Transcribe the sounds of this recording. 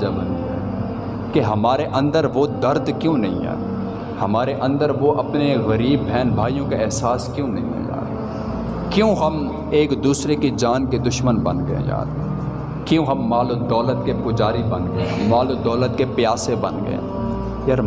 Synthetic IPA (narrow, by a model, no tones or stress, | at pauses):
d͡ʒabɐniɛ̰ː | keɦɐmaːɾeʔɐ̃nd̪əɾʋod̪ɐɾd̪kjõːnɐɦḭ̃ɦɛ̰ː | hɐmaːɾeʔɐ̃nd̪əɾʋoʔɐpneɣɐɾiːbːʱɛːnbʱaːijõkeɪɦsaːskjõːnɐɦḭ̃ɦɛ̰ja̰ːɾ | kjõːɦɐm | eːkd̪uːsɾekid͡ʒaːnked̪ʊʃmənbɐnɡɐḛ̃ja̰ːɾ | kjõːɦɐmːaːlod̪ɔːlət̪kepʊd͡ʒaːɾibɐnɡɐḛmaːlod̪ɔːlət̪̚kepɪjaːsebɐnɡɐ̰ḛː | jaːɾ